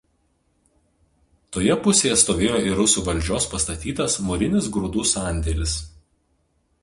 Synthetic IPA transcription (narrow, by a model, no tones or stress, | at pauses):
t̪oːjɛpʊsʲeːjɛst̪oːʋʲeːjoːɪɾʊsuːʋɐlʲd͡ʒʲoːspɐst̪ɐt̪ʲiːt̪ɐsmʊɾʲɪnʲɪsɡɾuːd̪uːsɑˑnʲd̪ʲɛlʲɪs